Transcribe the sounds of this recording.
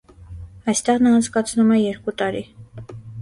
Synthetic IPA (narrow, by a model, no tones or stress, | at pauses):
ɑjst̪ɛʁnɑːnt͡sʰkɑt͡sʰnumɛjɛɾkut̪ɑɾi